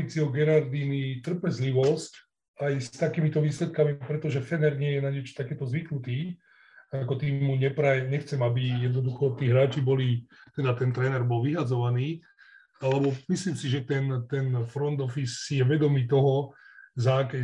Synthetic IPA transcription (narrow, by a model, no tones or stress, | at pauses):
it͡siɔɡɛɾaɾd̪iːnit̪r̩pɛzliʋɔsc | ajst̪akiːmit̪ɔʋiːslɛt̪̚kamipɾɛt̪ɔʒɛfɛnɛɾɲɪɛjɛnaɲɛt͡ʃt̪akɛːt̪ɔzʋiknut̪iː | akɔt̪iːmuɲɛpɾajɲɛxt͡sɛmabijɛd̪̚nɔd̪uxɔt̪iːɦɾaːt͡ʃibɔlit̪ɛd̪at̪ɛnt̪ɾɛːnɛɾbɔlʋiɦad͡zɔʋaniː | alɛbɔmisliːmsiʒɛt̪ɛnt̪ɛnfɾɔnd̪ɔfisːijɛʋɛd̪ɔmiːt̪ɔɦɔzaːkɛ